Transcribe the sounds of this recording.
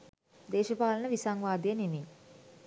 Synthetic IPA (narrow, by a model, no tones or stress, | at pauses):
d̪eːʃəpaːlənəʋisaŋʋaːd̪ejənemi